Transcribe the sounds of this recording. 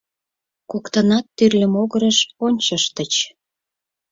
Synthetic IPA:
kokt̪ənɑt̪ːyrlʲə̆moɣəɾəʃonʲt͡ɕəʃt̪ət͡ɕ

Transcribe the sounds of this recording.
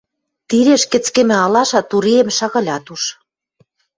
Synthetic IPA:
t̪iɾeʃkɘ̆t͡skĕmɘ̆ɑlɑʃɑt̪uɾiemʃɑɣɑ̆lʲɑt̪uʃ

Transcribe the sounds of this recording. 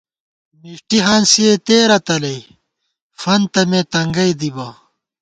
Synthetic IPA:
miʂʈiɦɐːnsiet̪eːɾɐt̪ɐlɐj | fɐnt̪ɐmeːt̪ɐŋɡɐjd̪ibaː

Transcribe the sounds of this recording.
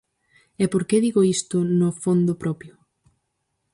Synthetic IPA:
epoɾkeðiɣoist̪ʊnʊfond̪ʊpɾɔpjʊ

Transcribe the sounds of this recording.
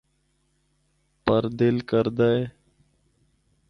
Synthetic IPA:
pəɾd̪ɪlkəɾd̪əe

